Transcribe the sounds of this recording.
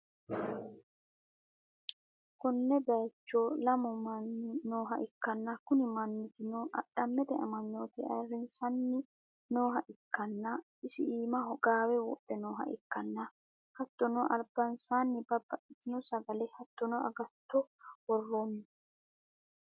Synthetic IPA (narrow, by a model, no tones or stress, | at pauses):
kʊnːɛd̪ɐjt͡ʃːoːlɐmɔmɐnːɪnoːɦɐʔɪkːɐnːɐkʊnɪmɐnːɪt̪ɪnoʔɐɗɐmːɛt̪ɛɐ̰mɐɲːoːt̪ɛɐ̰ɾɪnsɐnːɪ | no̞ːɦɐʔɪkːɐnːɐ | ɪsɪʔiːmɐɦɔɡaːwɛwɔ̰ɗːɛnoːɦɐ̰ʔɪ̰kːɐnːɐ | hɐt̪ːɔnɔʔɐlb̥ɐnsaːnːɪbɐbːɐʔɪt̪ɪnɔsɐɡɐlɛhɐt̪ːɔnɔʔɐ̰ɡɐt̪ːɔwɔrːonːɪ